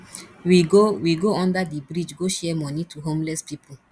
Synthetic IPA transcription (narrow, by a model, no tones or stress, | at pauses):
wiɡowiɡoɔ̃ndadibɾid͡ʒɡoʃɛmɔnitʰuɦõmlɛspipʰol̩